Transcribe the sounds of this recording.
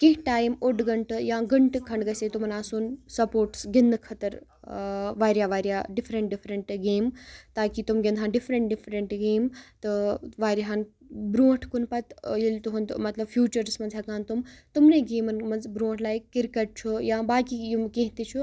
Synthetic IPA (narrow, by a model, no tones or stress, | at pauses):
kĩɦʈaːjmoɖɡɐɳʈɨjãːɡɐɳʈkʰɐɳɖɡɐset̪umɐnaːsuːnsɐpoːɾʈsɡind̪kʰɐt̪ɐɾ | ʋaːɾjaːʋaːɾjaːɖifʰɾɐɳʈ̚ɖifʰɾɐɳʈɡeːmt̪aːkit̪umɡʲend̪ʱɦaːnɖifʰɾɐɳʈ̚ɖifʰɾɐɳʈɡeːmt̪ɨʋaːɾiɦan | bɾuːʈʰkunpɐt̪jilt̪uɦund̪mɐt̪lɐbfʰjuːt͡ʃɐɾsmɐnzɦakaːnt̪umt̪umneɡeːmɐnmɐnzbɾuːʈʰlaːjkkːiɾkɐʈ̚t͡ʃʰujãːbaːkijumkẽːɦt̪it͡ʃʰu